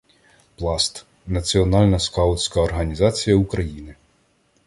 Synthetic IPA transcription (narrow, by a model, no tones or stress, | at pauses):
plˠɑst̪ | nɐt͡sʲiɔnɑlʲnɐskɑʊt͡sʲkɐɔrɦɐnʲizɑt͡sʲijɐukɾɐjinɪ